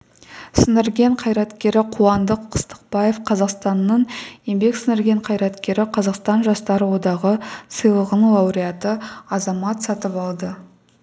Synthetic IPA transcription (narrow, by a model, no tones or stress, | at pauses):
sənɪɾɡʲe̞ɴqʰɑjɾɑt̪kʲe̞ɾɪqʰuɑnd̪əqʰə̥st̪ə̥q̚bɑje̞fqʰɑzɑqst̪ɑnːəɴje̞mbe̞ksɪnɪɾɡʲe̞ɴqʰɑjɾɑt̪kʲe̞ɾɪqʰɑzɑqst̪ɑnʒɑst̪ɑɾəwo̞d̪ɑʁəsəjlˠəʁənlˠɑwɾijɑt̪əɑzɑmɑt̪sɑt̪əpɑlˠd̪ə